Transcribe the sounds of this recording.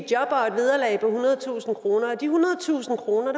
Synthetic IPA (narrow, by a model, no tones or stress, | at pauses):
jɒ̽b̥ɐed̥ʋið̞ˠɐlɛ̰ɪpʰɒ̽hunɐð̞ˠt͡sʰṵːsn̩kʁo̝ːnɐɒ̽d̥ihunɐð̩ˠt͡sʰṵːsn̩kʰʁo̝ːnɐɾ